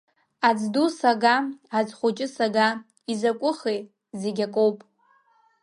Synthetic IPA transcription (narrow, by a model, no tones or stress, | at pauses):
ad͡zdusaɡaad͡zχʷʊt͡ʃʼɪsaɡa | izakʷʼʊχej | zeɡʲakʼowpʼ